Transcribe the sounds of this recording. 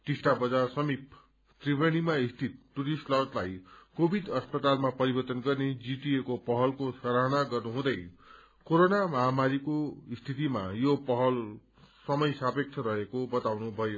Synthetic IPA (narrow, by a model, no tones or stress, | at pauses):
ʈisʈabʌd͡zasʌmip | t̪ribʱʌñimaist̪ʰit̪̚ʈːuɾisʈlʌrt̪lajkobʱid̪ʌspʌt̪almapʌɾibʌrt̪ʌnɡʌrned͡ziʈiekopʌɦʌlkosʌɾaɦʌnaɡʌrnuɦũd̪ʌj | koɾonamʌɦamaɾikoist̪ʰit̪imajopʌɦʌl | sʌmʌjsapek̚t͡sʰʌɾʌɦekobʌt̪awnubʱʌjo